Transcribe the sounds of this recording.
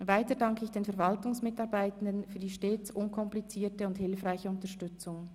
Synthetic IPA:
vaɪtəɐdɑŋkəɪçd̥eːnfɛɐvɑltʊŋsmɪtɑɐbaɪtən̩dənfyːɐdiːʃteːt͡sʔʊnkʰɔmplit͡siːtəʊnthɪlfʁaɪçəʊntəʃtʏt͡sʊŋ

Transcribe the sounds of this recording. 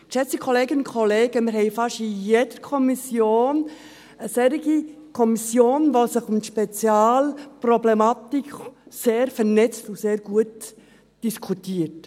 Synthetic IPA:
ʃɛt͡sikʰɔleːɡənʊnkʰɔleːɡ̥əmɪɾhɛɪfɑʃijed̥əɾkʰɔmisjoːn | əsɛɾɪɡi | kʰɔmisjoːnʋosɪχʊmʃpɛt͡sjaːlprɔblɛmɑtikseːɾfɛɾnɛt͡stʊseːɾɡ̥uət | d̥iskʰutiːət

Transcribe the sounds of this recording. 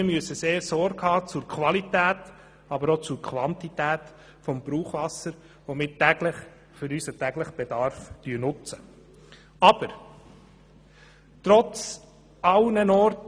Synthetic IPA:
ɪmyəsəseːɾsɔɾɡhɑːt͡sʊɾkʰʋɑlit̪æːt | ɑbəɾot͡sʊɾkʰʋɑnt̪itæːt̪ | fɔmb̥ɾuːχʋɑsəɾ | ʋomɪːɾtæɡləχ | fɵɾysətæɡləχb̥ed̪ɑɾftyːnʊt͡sə | ɑb̥əɾ | tɾɔt͡s | ɑlnənɔɾt

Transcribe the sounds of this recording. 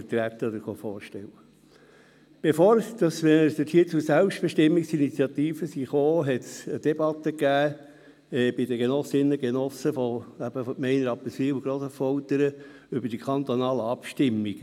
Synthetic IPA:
əɾt̪ɾæt̪ːəɔd̪əɾχofɔːɾʃtɛwə | b̥efoːɾd̪̥ɑsmɛd̪əthiːt͡sʊsælpʃtb̥eʃtɪmːiksinit͡sjɑt̪iːfəsiχoːɦɛt̪səd̥̪ebɑt̪ːəkæː | ɛb̥ɪd̪əɡenɔsɪnːəɡenɔsəfɔæb̥əfɔtmɛɪnəɾɑpːəsfiwɡɾoːsəfɔlt̪əɾə | ʏbəɾd̥ikʰχɑnt̪onɑːləɑpʃtɪmːiɡ̥

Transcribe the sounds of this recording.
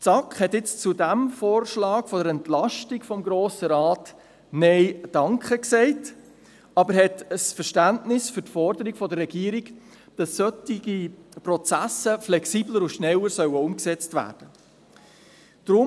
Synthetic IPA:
t͡sɑkχhɛtɪt͡st͡sudæmfoːɾʃlɑːkfɔdəɾɛntlɑʃtikfɔmɡɾoːsəɾɑːt | nɛɪd̥ɑŋkχəksɛɪt | ɑbəɾhɛtəsfəɾʃtæntnɪsfʏtfɔɾdəɾiɡfɔdərːɛɡiːɾiɡ | d̥ɑsœtiɡiprɔt͡sæsəflɛksiːbləɾʊʃnɛlːəɾsœwəʊmksɛt͡stvæ̰ːrd̥ə | d̥ɾʊ

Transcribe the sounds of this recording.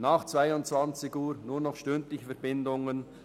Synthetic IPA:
naːχt͡sv̥aɪʊntt͡svant͡sɪɡuːɾnuːɾnɔχʃtʏntlɪçfɛɐɾbɪndʊŋən

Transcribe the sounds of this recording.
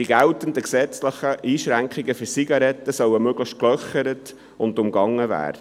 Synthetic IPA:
iɡɛʊtəndəksɛt͡sləχəʔiːʃɾæŋkχɪɡəfyɾsiɡɑɾɛt̪ːəsœwəmøɡləχtklœχəɾət | ʊndʊmɡɑŋːəvæ̰ːɾ

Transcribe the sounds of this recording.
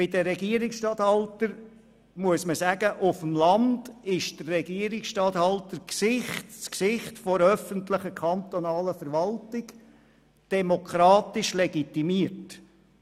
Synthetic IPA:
b̥ɪd̥əɾɛɡiəɾɪksʃtɑt̪hɑltəɾ | muəsməsæɡəʔʊfəmlɑndɪʃd̥ərːɛɡiəɾɪksʃtɑt̪hɑltəɾksɪχtsksɪχtfɔɾœfəntləχəkʰɑnt̪ɔnɑːləfəɾʋɑltɪɡ | d̥ɛmokʰɾɑːtɪʃlɛɡit̪imiːəɾt

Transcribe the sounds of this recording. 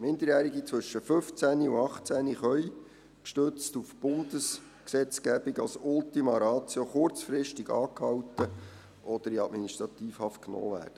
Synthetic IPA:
mɪnd̪əɾjæːɾiɡit͡sʋɵʃːəfɵft͡sæniuɑχt͡sæniχœi | kʃtøt͡stufb̥ʊnd̪̥əs | ksɛt͡skæbiɡɑlsʊltimɑɾɑːt͡sjoχʊɾt͡sfɾɪʃtiɡɑ̰ːkhɑwtə | ʔɔd̥̪əɾiɑtminiʃtɾɑt̪iːfhɑft̚knɔ̰ːʋæ̰ːɾd̥ə

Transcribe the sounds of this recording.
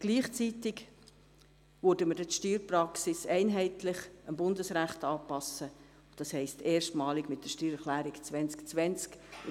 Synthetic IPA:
ɡ̥liːχt͡sitɪɡ | vʉːɾdəməd̥ɛtʃtyːɾprɑksɪsɛɪnɦɛɪtlɪχəmbʊndəsɾæχtɑːpɑsə | d̥ɑshɛɪstʰeːʃtmɑːlɪɡmɪt̚d̥əʃtyːɾəχlæːɾɪkt͡svɛnt͡skt͡sʋɛnt͡sk

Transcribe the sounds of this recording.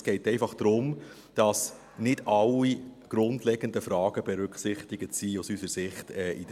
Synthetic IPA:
sɡ̥ɛɪtɛɪfɑχd̥̪ɾʊm | d̥ɑs | nɪd̥ɑlːiɡ̥ɾʊndlɛɡ̥əndəfɾɑːɡ̥əbɛɾʉkχsɪχt̪ɪɡətsiusysəɾsɪχtɛːʔid

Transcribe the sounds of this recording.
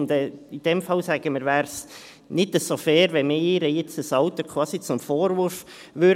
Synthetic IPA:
ndɛːid̥ɛmfɑlsæɡ̥əməɾvæːɾs | nɪdəsofɛːɾʋɛmɪɪːɾəjɪt͡səsɑʊtəkʰwɑːsit͡sʊmfoːɾvʊɾf | ʋøɾ

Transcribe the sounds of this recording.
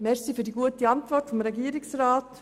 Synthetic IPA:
mɛɾsifyːdiɡuətiɑntvɔɾtfɔmɾɛɡiəɾɪksraːt

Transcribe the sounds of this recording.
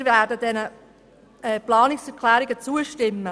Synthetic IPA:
ɾvɛːɾdəd̥ɛnə | ɛplɑːnɪksɛɾkʰlɛːɾɪɡət͡suəʃtɪmːə

